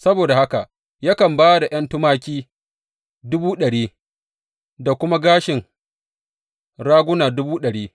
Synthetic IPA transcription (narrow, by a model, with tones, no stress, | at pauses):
sɐ˦boː˨da˨ha˦ka˨ | ja˦kɐ˨mbaː˦da˨j̰ɐ˦ntʊ˦maː˦kʲiː˦ | dʊ˦buː˦ɗɐ˨ɽiː˦ | da˨kʷʊ˦ma˦ɡaː˦ʃɪ˨ŋ | ɽaː˦ɡʷʊ˦naː˨dʊ˦buː˦ɗɐ˨ɽiː˦